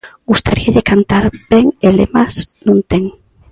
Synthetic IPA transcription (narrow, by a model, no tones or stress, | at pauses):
ɡust̪aɾiaʎekant̪aɾbeŋelḛmasnũnt̪eŋ